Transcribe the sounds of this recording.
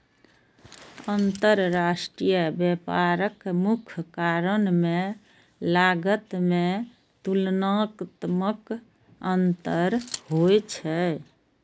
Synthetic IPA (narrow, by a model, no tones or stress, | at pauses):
ənt̪əɾɾasʈɾijəbjepaɾəkmukʰkaɾənme | laɡət̪me | t̪ulnakt̪mək | ənt̪əɾɦojt͡ʃʰɛ